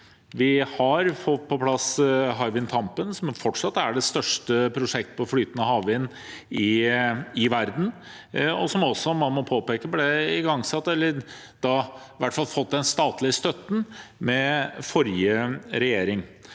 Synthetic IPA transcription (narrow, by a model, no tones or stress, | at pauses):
ʋɪhɑɾfɔt̪ːpʰɔpʰlɑsɦɑɪʋɪnt̪ʰɑmpənsɔmfɔʈʂɑt̪ːæɖɛst̪œʂʈəpʰɾʊʂɛk̚t̪pʰɔflyːt̪ənɑhɑːʋɪn | ɪ | ɪʋæɾd̪n̩ | ɔsɔmɔsːɔmɑnmɔpʰoːpeːkəblɛɪɡɑŋsɑt̪ːɛlːəɾ | d̪̥ɑ | ʋæʈːfɑlfɔt̪̚ːd̪ɛnst̪ɑːt̪lɪəst̪œt̪ːn̩mɛfɔɾjəɾɛjeːɾɪŋ